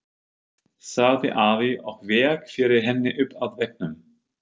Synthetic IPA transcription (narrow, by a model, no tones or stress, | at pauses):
saɣðɪ̰ʔavɪʔawxvɛːkfɪɾɪɾ̥ɦɛnːɪʔʏpːaðvɛk̚nʏm